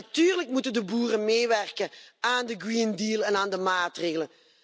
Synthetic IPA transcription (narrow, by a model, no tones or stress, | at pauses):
tyːrləkmutəndəbuːrənmeːʋɛrkəaːndəɡrindiːlˠɛnaːndəmaːtreːɣələ